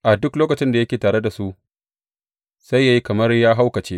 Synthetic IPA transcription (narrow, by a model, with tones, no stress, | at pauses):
ʔa˨dʊ˦kloː˦kɐ˨t͡ʃɪ˦nda˨jɐ˦kʲeː˨taː˨ɽe˦da˨su˦ʔ | sa˦jːaː˦ji˦kɐ˨mɐ˦rjaː˦ɦa˦wkɐ˨t͡ʃeː˦